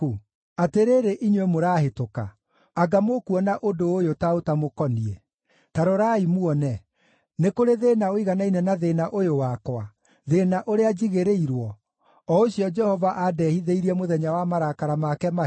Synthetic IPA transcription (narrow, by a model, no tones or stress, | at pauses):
u | ateɾeːɾeʔiɲwemoɾaːɦetoka̰ | aɡamokuɔnaʔodoːjotaotamokɔniɛ | taɾoɾaimuɔnɛ | nekoɾeðeːnaoiɣanainɛnaðenaʔojowakwa | ðenaʔoɾead͡ʑiɣeɾeiɾwɔ | ɔoɕiɔd͡ʒɛhɔvaʔadɛhiðeiɾiɛmoðɛɲawamaɾakaɾamakɛma